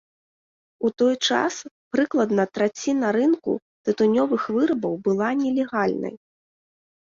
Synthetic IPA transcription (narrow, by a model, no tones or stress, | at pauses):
ut̪ɔjt͡ʂa̰spɾɨklˠɐd̪nɐt̪ɾat͡sʲːinɐɾɨnkṵ | t̪ɨt̪unʲɔvɨxvɨɾɐbɐwbɨlˠanʲɛlʲɛɣalʲnɐ̰j